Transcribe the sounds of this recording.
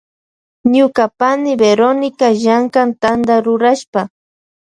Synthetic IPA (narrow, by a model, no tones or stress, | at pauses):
ɲʊkapanɪbeɾonɪkaʒaŋkant̪and̪aɾʊɾaʃpa